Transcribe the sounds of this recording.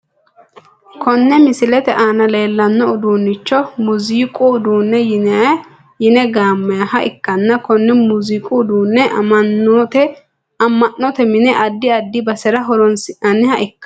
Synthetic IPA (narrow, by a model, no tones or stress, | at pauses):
kʰɔnːɛmɪsɪlɛt̪ɛʔaːnɐle̞ːlːɐnːɔʊd̪uːnːɪt͡ʃːɔmʊziːkʼʊʊd̪uːnːɛjɪna | jɪnɛɡaːmːɐjɐhɐʔɪ̰kːɐnːɐkɔnːɛmʊziːkʼʊʊd̪uːnːɛʔɐ̰mɐnːɔt̪ɛ | ɐmːɐnːɔt̪ɛmɪnɛʔɐd̪ːɪɐd̪ːɪbɐsɛɾɐɦɔɾɔnsɪɐnːɪhɐʔɪkːɐ